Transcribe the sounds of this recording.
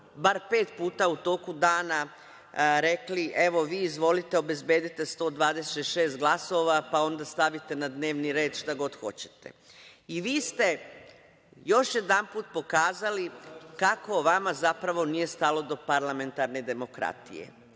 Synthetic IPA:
baɾpe̞ːt̪puːt̪aut̪o̞ːkud̪aːna | ɾe̞kliʔe̞ʋo̞ʋiːzʋo̞lit̪eo̞be̞zbe̞ːd̪it̪e̞st̪o̞ːd̪ʋaːd̪eset̪ʃe̞ːst̪̚ɡlˠaso̞ʋapao̞nd̪ast̪aʋit̪e̞nad̪ne̞ːʋniɾe̞ːd̪ʃt̪aɡo̞d̪xo̞t͡ɕe̥t̪e̞̰iʋiːst̪e̞ | jo̞ʃje̞d̪anpuːt̪̚po̞kaːzalikako̞ʋamazapɾaʋo̞nije̞st̪alo̞d̪o̞paɾlˠame̞nt̪aɾne̞d̪e̞mo̞kɾa̰t̪ḭjḛ

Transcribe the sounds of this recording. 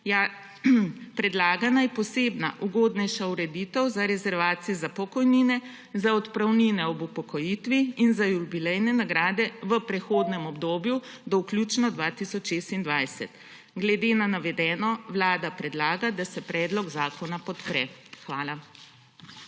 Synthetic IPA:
ja | pɾɛd̪laːɡanajɛpɔseːbna̰ʔuɡoːd̪nɛjʃauɾɛd̪it̪ɛwzaɾɛzɛɾʋaːt̪sijɛzapɔkɔjniːnɛ | zaɔt̪pɾawninɛɔbupɔkɔjit̪ʋiinzajubilɛjnɛnaɡɾaːd̪ɛʋəpɾɛxoːd̪nɛmɔbd̪oːbju | d̪ɔwklʲjuːt͡ʃnɔd̪ʋat̪isɔt͡ʃʃeːst̪ind̪ʋajsɛ̰t̪ | ɡlɛd̪eːnanaʋɛd̪ɛːnɔʋlaːd̪apɾɛd̪laːɡad̪asɛpɾɛːd̪lɔɡzaːkɔnapɔt̪pɾɛ̰xʋaːla

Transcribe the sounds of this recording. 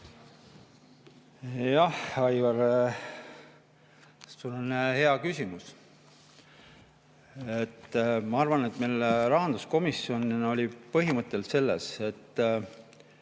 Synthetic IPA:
jɑhɑjvɑɾ | sulonhe̞ɑkysʲimus | e̞t̪ːmɑɑrvɑne̞t̪mejlɾɑɦɑnd̪̥usko̞misːio̞nno̞lʲipɤɦimɤt̪ˑːe̞lse̞lːese̞t̪ː

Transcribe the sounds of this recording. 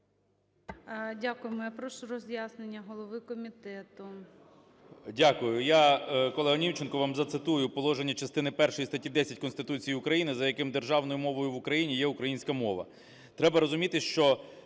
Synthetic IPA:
dʲakʊjemɔjɐpɾɔʃʊɾɔzʲjasnenʲːɐɦɔlˠɔʋɪkɔmʲit̪ɛt̪ʊ | dʲakʊjʊjakɔlˠɛɦɐnʲiwt͡ʃenkɔʋamzɐt̪sɪt̪ujʊpɔlˠɔʒenʲːɐt͡ʃɐst̪ɪnɪpɛrʃɔjist̪ɐtʲid̪ɛsʲɐtʲkɔnst̪ɪt̪ut͡sʲijiʊkɾɐjinɪzɐjɐkɪmd̪e̞rʒɑwnɔjʊmɔʋɔjʊʋʊkɾɐjinʲijɛʊkɾɐjinʲsʲkɐmɔʋɐ̰ | t̪ɾɛbɐɾɔzʊmʲit̪ɪʃt͡ʃɔ

